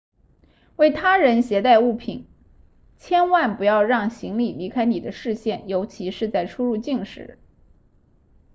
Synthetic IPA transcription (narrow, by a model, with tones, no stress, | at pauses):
we˥˩ɪt̪ʰa˥ɻə˧˥nɕjɛ˧˥t̪a˥˧ɪu˥˩pʰḭ˨˩˦n | t͡ɕʰjɛ˥nwa˥˩npu˧˥jɑ˥˧ʊɻɑ˥˩ŋɕi˧˥ŋli˨˩li˧˥kʰa˥ɪni˨˩d̪ə˦ʂɻ̩˥˧ɕjɛ˥˩njo˧˥ʊt͡ɕʰi˧˥ʂɻ̩˥˧t͡sa˥˩ɪʈ͡ʂʰu˥ɻu˥˧t͡ɕi˥˧ŋʂɻ̩̰˧˩˥